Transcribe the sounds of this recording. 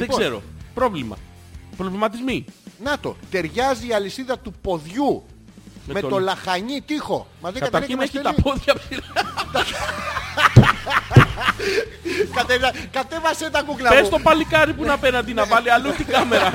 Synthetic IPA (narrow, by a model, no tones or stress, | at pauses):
ðepɡzse̞ɾo̞̰pɾo̞vlimɐ̰ | pɾovlimɐt̪izminɐt̪o̞̰t̪e̞ɾʝɐziːɐlisiðɐt̪upo̞ðʝu | meme̞t̪o̞lɐxɐɲit̪ixo̞̰mɐðekɐt̪ɐɾçineçit̪ɐpoðʝɐpiɾɐt̪ | kɐt̪eɐkɐt̪e̞vɐset̪ɐkuklɐpest̪opɐlikɐɾipunɐpenɐd̪inɐvɐliɐlut̪ikɐmeɾɐ